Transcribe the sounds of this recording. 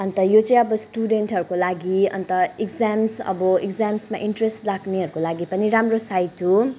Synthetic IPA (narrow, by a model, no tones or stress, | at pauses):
ʌnt̪ʌjot͡sʌ̃ĩʌbʌsʈuɖenʈɦʌɾukolaɡiʌ̰nt̪ʌikd͡zamsʌ̰bʌikd͡zamsma̰ʔinʈresʈlaɡneɦʌɾukolaɡipʌniɾamrosajtʰu